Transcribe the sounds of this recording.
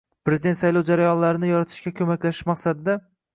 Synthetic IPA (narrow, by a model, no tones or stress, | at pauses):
pɾezɪd̪et̪sajlˠɒwd͡ʒaɾajɒnlaɾɪnɪjɒɾat̪ʰɪ̥ʃkʲakʲʰɵmakʲlaʃɪʃmaqsad̪ɪd̪a